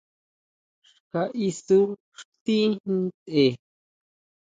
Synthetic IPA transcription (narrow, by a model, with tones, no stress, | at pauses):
ʂ | ka˧ʔi˧su˦ | ʂt̪i˦nĩ˧t̪e˨